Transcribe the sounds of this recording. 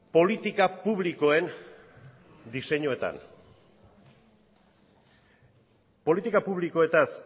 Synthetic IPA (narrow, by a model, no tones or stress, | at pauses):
po̞lit̪ikapuβliko̞e̞n | d̪ise̞ɲoe̞t̪a̰n | po̞lit̪ikapuβliko̞e̞t̪as